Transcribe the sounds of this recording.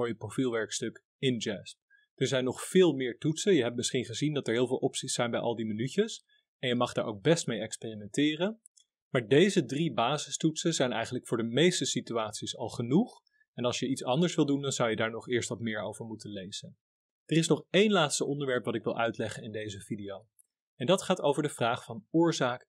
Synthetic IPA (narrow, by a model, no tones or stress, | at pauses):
ɔjəprowfilˠʋɛɹkstɵk | ɪnd͡ʒɛsp̚ | d̥əɹzɛjnːɔχfɪːlˠmɪːɹtutsənjəɦɛp̚tmɪsχinχəzindɑtɛɹɦɪːlˠvɪːlˠʔɔpsisɛjnbɛjʔɑ̰lˠdimənycəs | ɛnjəmɑχdaːɹʔo̰wɡ̚bɛstmejɛkspeːrimɛntɪːrən | maːɹdejzədribaːzɪstutsəzɛjnɛ̰jχənləkfʊːɹdəmejstəsityaːtsisɑlˠχənuχ | ɛnɑlˠsʃjəitsɑndəɹsʋɪlˠdundɑnzʌwjədaːɹnɔχɪːɹstʋɑtmɪːɹowvəɹmutənlejz̥ən | d̥ərɪsnɔχejnlaːtstəʔɔndəɹʋɛɹpʋɑtɪkʋɪlˠʔœɥtlɛχənɪndejzəvidijow | ɛndɑtχaːtowvəɹdəvraːχfɑnʊːɹzaːk